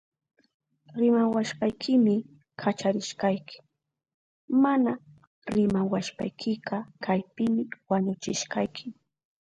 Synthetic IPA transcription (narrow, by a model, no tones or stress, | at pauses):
ɾɪmawaʃɢajkʰɪmɪ | kʰat͡ʃaɾɪʃqɑjkʰɪ̥ | mana | ɾɪmawaʃpa̰jkʰɪqɑkajpɪmɪwaɲʊt͡ʃɪʃqɑjkʰɪ